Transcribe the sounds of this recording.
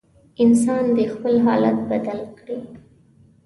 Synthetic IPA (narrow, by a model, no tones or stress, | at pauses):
ɪns̬ɑnd̪əxpəlɦɑla̰t̪̚bad̪alkɽi